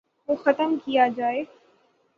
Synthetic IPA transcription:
ɦoːxɐt̪əmkijad͡ʒaːeː

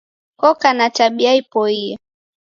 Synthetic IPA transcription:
kɔkanataɓiaipɔiɛ

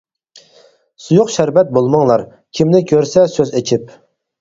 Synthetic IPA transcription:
sujuqʃæɾvɛt̪̚bolˠmɑŋlˠɑɾ | kʲʰimnɪkʲʰøɾsɛsøzet͡ʃʰip̚

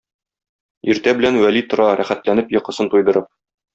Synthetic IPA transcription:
iɾt̪æbɘ̆lænwælit̪ŏɾɑɾæχæt̪lænɘpjɤ̆qɤ̆sɤnt̪ujd̪ɤ̆ɾɤp̚

